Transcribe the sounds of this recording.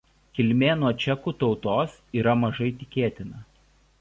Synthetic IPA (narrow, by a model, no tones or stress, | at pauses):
kʲɪlʲmʲeːnuɔt͡ʃʲɛkuːt̪ɒʊt̪oːsiːɾɐmɐʒɐɪt̪ʲɪkʲeːt̪ʲɪnɐ